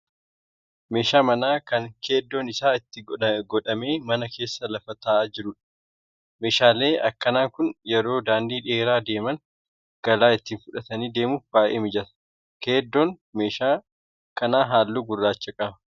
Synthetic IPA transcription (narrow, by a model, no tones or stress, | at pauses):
me̞ːʃaːmɐnaːkɐŋkʰe̞ːd̪ːonɪsaːɪt̪ːɪɡɔᶑɐme̞ːmɐnɐkʰe̞ːsːɐlɐfɐt̪aːd͡ʒɪɾʊᶑɐ̥ | me̞ːʃaːle̞ːʔɐkːɐnaːŋkʊnjɛɾo̞ːd̪aːnd̪iːᶑe̞ːɾaːd̪e̞ːmɐŋ | ɡ̥ɐlaːɪt̪ːiːnfʊᶑɐt̪ɐniːd̪e̞ːmʊfbaːʔḛːmɪd͡ʒɐt̪ɐ | ke̞ːd̪ːon | me̞ːʃaː | kɐnaːɦaːlːuːɡʊrːaːt͡ʃːɐkʼɐbɐ